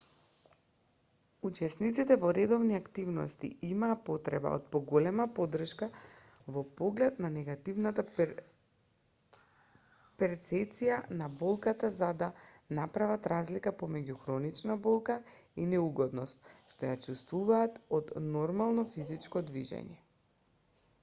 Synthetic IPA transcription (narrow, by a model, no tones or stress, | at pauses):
ut͡ʃɛsnit̪sit̪ɛvɔɾɛd̪ɔvniakt̪ivnɔ̰st̪ḭimaːpot̪ɾɛba̰o̰t̪̚pɔɡolɛmapod̪r̩ʃkavɔpoɡlɛt̪nanɛɡat̪ivnat̪a | pɛɾt̪sɛt̪sijanabɔlˠkat̪azad̪anapɾavat̪ɾazlikapomɛɟuxɾɔnit͡ʃnabɔlˠka | inɛuɡɔd̪nɔst̪̚ʃt̪ɔjat͡ʃust̪vuvaːt̪ɔd̪nɔɾmalˠnɔfizit͡ʃkɔd̪viʒɛ̰ɲɛ